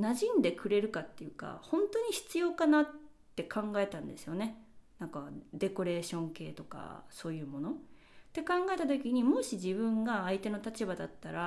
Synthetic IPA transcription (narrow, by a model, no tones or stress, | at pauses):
naʑĩnd̪e̞kɯ̟ɾe̞ɾɯ̟kat̪ːe̞jɯ̟ːka̰hõ̞nt̪o̞ɲ̟içi̥t͡sɨjo̞ːkanatː | e̞kãŋɡae̞t̪ãnd̪e̞sɨjo̞ne̞nãŋkad̪e̞ko̞ɾe̞ːɕõ̞ŋke̞ːt̪o̞ka̰so̞ːjɯ̟ːmo̞no̞ | t̪ːe̞kãŋɡae̞t̪at̪o̞kʲiɲ̟imo̞ɕiʑibɯ̟̃ŋɡaːit̪e̞no̞t̪at͡ɕibad̪at̪ːaɾa